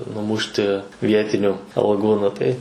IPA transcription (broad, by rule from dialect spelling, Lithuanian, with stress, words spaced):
nʊˈmʊʃʲtʲɪ ˈʋʲiɛtʲɪnʲʊ ɐlˠˈɡuː ˈnʊ tɐɪ